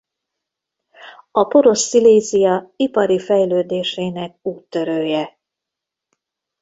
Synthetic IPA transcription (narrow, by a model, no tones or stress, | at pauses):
ɒpo̞ɾo̞ʃsileːzijɒipɒɾifɛjløːd̪eːʃeːnɛk̚uːt̪ːø̞ɾøːjɛ